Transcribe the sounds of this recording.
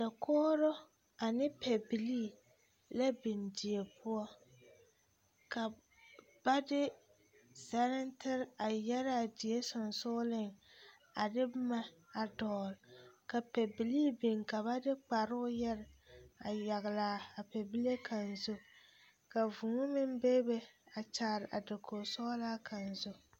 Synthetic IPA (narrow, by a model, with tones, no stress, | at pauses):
da˨kʰɔː˦ɾʊ˦ | a˨nɪ˦pɛ˨bi˨liː˦˨ | la˦bɪ˨ndi˨e˨pʰʊ˦ɔ˦ | ka˨ | b̥a˦dɪ˦ | sa˦ɾɪ˦ntɪ˦ɾa˨jɛ˦ɾa˦a˨dɪ˨e˦sʊ˨nsʊ˦lɪ˦ŋ | a˨dɪ˦bma˦a˨dɔː˨lka˨pɛ˨bi˨li˦bi˨ŋka˨ba˦dɪ˦k͡pa˨ɾʊ˦ʊ˦jɛ˦ɾa˨ja˨ɣɪ˨laː˨˦a˨pɛ˨bi˦le˦kʰa˨nzʊ˦ | ka˨vu˨ŋʊ˦mɪ˦m˦be˦be˦a˨t͡ʃaː˨ɾɪ˨ʔa̰˨dɪ˨kʰo˨sɔː˦laː˦kʰa˨nzʊ˦